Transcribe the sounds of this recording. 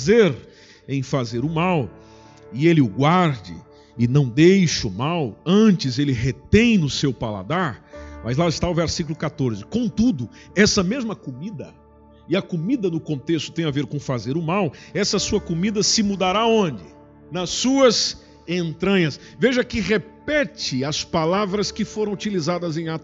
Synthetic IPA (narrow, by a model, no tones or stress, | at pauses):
zeɾ | ẽj̃fazeɾʊmaw | ɪelɪʊɡwaɾd͡ʒɪ̰ | ɪnɐ̃w̃d̪ejʃɐʊmawɐ̃nt͡ʃɪzelɪɦet̪ẽj̃nʊsewpala̰d̪aɾmɐzlaɪst̪aʊvɛɾsikulʊkat̪oɾzɪkõw̃t̪ud̪ʊ | ɛsɐmezmɐkumid̪ɐ | ɪɐkʊmid̪ɐnʊkõnt̪est̪ʊ̥t̪ẽj̃aveɾkõfazeɾʊmawɛsɐsuɐkomid̪ɐsɪmud̪aɾaõnd͡ʒɪ | nɐsːuɐz | ẽnt̪ɾɐ̃ɲɐs | veʒɐkɪʁepɛt͡ʃɪɐspalavɾɐskɪfoɾɐ̃w̃ut͡ʃilizad̪ɐzẽj̃at̪ʊ